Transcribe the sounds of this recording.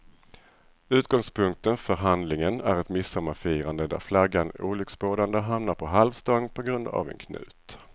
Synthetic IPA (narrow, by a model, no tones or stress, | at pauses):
ʉ̟ːt̪̚ɡ̥ɔŋspʰɵŋk̚t̪ənfœɾɦand̪lɪŋənæɾɛt̪mɪsːɔmːafiːɾand̪əd̪æ̰ɾflaɡːanṵːlʏksboːd̪and̪əɦamnaɾpʰɔɦalvst̪ɔŋːpʰɔɡɾɵnd̪a̰vɛ̰nkʰnʉ̟̰ːt̪